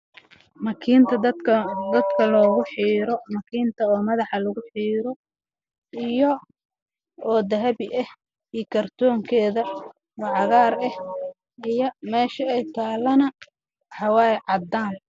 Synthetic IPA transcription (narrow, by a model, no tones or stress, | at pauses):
mɐkʰiːnt̪ʰɐɐkʰɐd̪ɐd̪kʰɐlɔːɣʊħiːɾɔmɐkʰiːnt̪ʰɐɔːmɐðɑħɑlɐɣʊħiːɾɔ | ijɔ | ɔːd̪ɐɦɐβɪʔɛh | ijkʰɐrt̪ʰɔːŋkʰɛːðɐ | wɑʕɑɣaːɾɛh | ijɔmɛːʃɐɛjt̪ʰaːlɐnɐ | ħɑwaːjʕɑd̪aːn